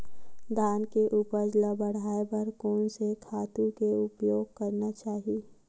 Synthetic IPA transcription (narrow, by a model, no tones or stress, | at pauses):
d̪ʱaːnkeʔupəɾd͡ʒləbəɽ̤aːebəɾkoːnsekʰaːt̪ũkeʊpjoːɡ̚kəɾnat͡ʃaːɦi